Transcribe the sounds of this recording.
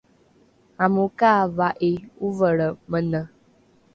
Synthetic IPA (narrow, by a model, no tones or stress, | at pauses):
amukavaʔiuvəɭəmənə